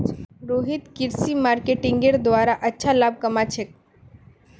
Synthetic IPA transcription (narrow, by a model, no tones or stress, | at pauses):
ɾoːɦɪt̪kɪɾsimaːɾkeʈɪ̃ŋɡeɾd̪ʋaːɾaʔɐtːʃʰalaːb̚kɐmat͡ʃʰek̚